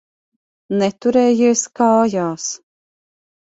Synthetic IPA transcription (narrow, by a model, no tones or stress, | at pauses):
nɛt̪uɾɛːjiːskaːjaːs